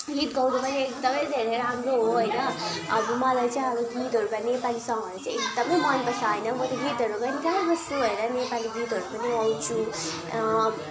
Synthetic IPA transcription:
ɡit̪ɡʌwd̪upʌniekd̪ʌmʌd̪ʱeɾeɾʌɦamroɦoɦʌjnʌʌbʌmʌlajt͡saĩʌbʌɡit̪ɦʌɾukanepalisʌ̃ŋɡɦʌɾut͡sãĩek̚d̪ʌmʌjmʌnpʌsaɦenʌmʌt̪eɡit̪ɦʌɾukʌnit̪ʌmʌbʌst̪uɦʌjnʌnepaliɡit̪ɦʌɾupʌniʌjt͡sʰu

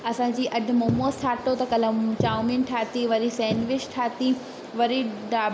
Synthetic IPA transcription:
ɐsãːd͡ʑiːʔɐɖ̆ʱmoːmoːst̪ʰaːʈot̪ɐkɐlɐt͡ɕaːminʈʰaːt̪iʋɐɾisɛ̃ːnʋɪt͡ʃʈʰaːt̪i | ʋɐɾiɖaː

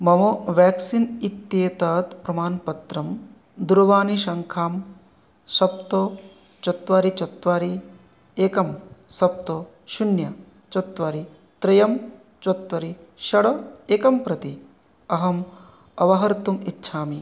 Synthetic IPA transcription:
mɐmoʋaːksinit̪ːjeːt̪aːt̪pɾɐmaːnpɐt̪ɾɐm | d̪uɾɐʋaːniʃɐŋkʰaːm | sɐp̚t̪o | t͡ʃɐt̪ʋaːɾit͡ʃɐt̪ʋaːɾi | eːkɐmsɐp̚t̪o | ʃunjɐ | t͡ʃɐt̪ʋaːɾi | t̪ɾɐjɐm | t͡ʃɐt̪ʋɐɾiʃɐɽɐeːkɐmpɾɐt̪i | ɐɦɐm | ɐʋɐɦɐɾt̪umitːʃʰaːmi

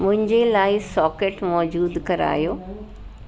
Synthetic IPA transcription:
mʊ̃ɦɪ̃ɲd͡ʑelaːɪsɔːkeːʈmɔːd͡ʑuːd̪kɐɾa̰ːjoː

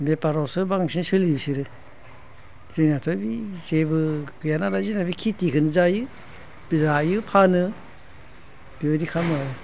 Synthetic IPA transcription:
bepaɾɔsɯbaŋsinsɯlibisiɾɯ | zɯnatʰɔbizebɯkɯjanaɾazinabikʰitikʰɯnɯzajɯ | bizajɯpʰanɯ | b̥ibadikʰamaɾɯ

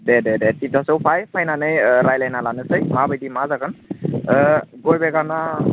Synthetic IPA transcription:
dɛdɛdɛtitasɔwpʰajpʰajnanɯjɾajlajnalanɯsəjmabajdimazaɡɯn | ɡojbɛɡana

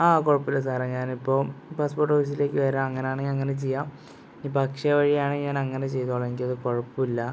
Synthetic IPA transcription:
aːko̞ɻɐpːilːɐs̬aːreɲaːnipːo̞ːpaːspo̞ːʈ̬ːoːfiːs̬ile̞ːkʲːɨʋɐɾamɐŋːɐnejaːɳeɐŋːɐnet͡ɕe̞jːaːm | iːpɐkʂɐʋɐɻijaːɳeɲaːnɐŋːɐnet͡ɕe̞jt̪oːɭɐenik̬ʲːilɐðɨko̞ɻɐpːuilːɐ

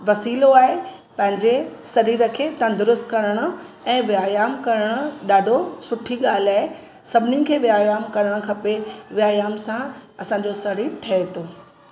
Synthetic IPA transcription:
ʋɐsiːloaːɦe | pɐ̃ɦɪ̃ɲd͡ʑesɐɾiːɾəkʰet̪ɐ̃nd̪ʊɾʊst̪kɐɾəɽ̃ʊ̆ | ɛ̃ːʋɪaːjaːmkɐɾəɽ̃ʊ̆ɗaːɖʱosʊʈʰiɠaːl̤aːe | sɐbʱɪnikʰeːʋɪaːjaːmkɐɾəɽ̃ə̆kʰɐpeʋɪjaːjaːmsãɐsãːɲ̆d͡ʑosɐɾiːɾʈʰɐɦet̪ʰoː

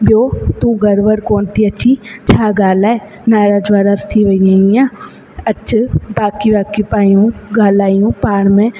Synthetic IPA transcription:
bjoːt̪ũɡəɾʋəɾkoːnt̪ʰiɐtːʃʰit͡ʃʰaːɡaːlaːe | naːɾaːd͡ʒʋaːɾast̪ʰiʋəijãːijãː | ətːt͡ʃʰbaːkibaːkipaːjũɡaːlaːjũpaːɳmẽ

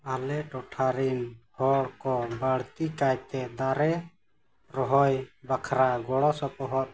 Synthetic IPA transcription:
alɛʈɔʈʰaɾinhɔɽkɔbaɽt̪ikajt̪ɛd̪aɾɛ | ɾɔɦɔjbakʰɾaɡɔɽɔsɔpɔɦɔt̪̚

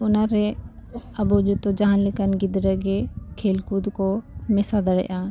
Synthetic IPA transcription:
ʊnaɾɛ | ɐbɔd͡ʒut̪ɔd͡ʒaɦanlɛkənɡid̪ɾəɡɛkʰelkud̪kɔmɛsad̪əɽɛ̰ʔa

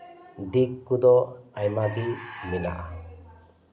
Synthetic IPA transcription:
d̪ikːud̪ɔajmabimina̰ʔa

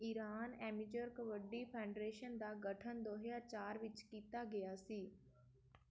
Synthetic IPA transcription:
ɪɾaːnɛːmɪd͡ʒəɾkəʋəɖiːpʰaːɳɖɾeːʃənd̪aːɡəʈʰənd̪oːɦjaːt͡ʃaːɾʋɪt͡ʃkiːt̪aːɡɪjaːsiː

